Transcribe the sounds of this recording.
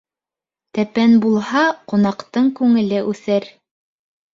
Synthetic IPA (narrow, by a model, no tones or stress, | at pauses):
t̪æpænbulˠhɑqŏnɑqt̪ɤɴkʉŋɘ̆lɘʔʉθɘɾ